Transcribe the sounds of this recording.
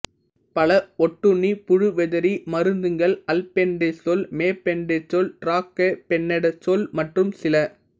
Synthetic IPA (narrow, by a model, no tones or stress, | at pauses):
pɐlɐɔʈːɯɳːipʊɻɯʋɛðɐɾimɐɾɯnd̪ɯŋɡɐɭɐlpɛɳɖesɔlmeːpɛɳɖet͡ʃːɔlʈɾaːkːepɛnːɛɽɐt͡ʃːɔlmɐʈrɯmsɪlɐ